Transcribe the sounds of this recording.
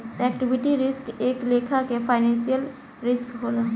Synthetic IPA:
ɛk̚ʈɪbɪʈiɾɪskeːklekʰakepʰaɪnɛ̃nsijəl | ɾɪskɦoːla

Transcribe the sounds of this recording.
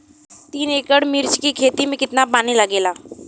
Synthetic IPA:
t̪iːneːkəɽmɪɾt͡ʃkikʰeːt̪imẽkɪt̪napaːniləɡeːlaː

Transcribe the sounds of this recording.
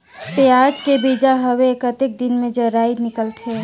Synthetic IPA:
peaːd͡ʒkebid͡ʒaɦəwekət̪ɪk̚d̪ɪnmẽd͡ʒəɾaːinɪkəlt̪ʰe

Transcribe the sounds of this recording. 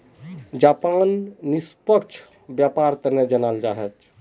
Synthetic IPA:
d͡ʒapanːispəkt͡ʃʰ | bjapaɾt̪əɾned͡ʒənald͡ʒaɦɛt͡ʃʰ

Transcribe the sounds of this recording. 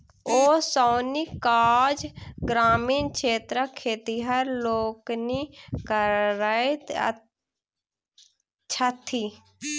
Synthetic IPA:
oːsaːnikaːd͡ʒɡɾaːmiːnkʃeːt̪ɾəkʰːeːt̪iɦəɾloːknikəɾae | t͡ʃʰat̪ʰi

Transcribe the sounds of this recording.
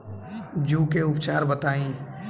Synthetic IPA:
d͡ʒũːkeːʊpt͡ʃaːɾbət̪aːĩː

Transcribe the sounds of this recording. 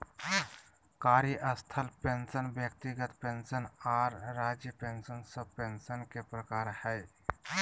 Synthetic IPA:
kaːɾjiʔəst̪ʰəlpensənbjəkt̪iɡət̪pensənaːɾːaːd͡ʒjəpensənsəpensənkepɾəkaːɾhɛj

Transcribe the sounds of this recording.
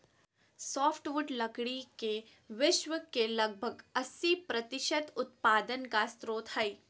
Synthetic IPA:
sɔːfʰʈʋʊɖlɐkɽike | ʋɪʃwəkelɐɡ̚bʱəɡɐsːipɾɐt̪ɪʃət̪ʊt̪paːd̪ənkast̪ɾoːt̪ʰhɐi

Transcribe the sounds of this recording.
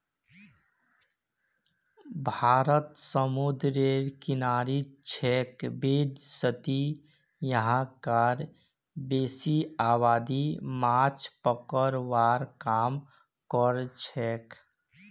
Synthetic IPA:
bʱaːɾət̪səmud̪ɾeɾkɪnaɾit͡ʃʰɛkbed̪sət̪i | jəɦãkaɾ | beːsiaːβaːd̪imat͡ʃpəkəɾwaːɾkaːm | kɔɾt͡ʃʰɛk

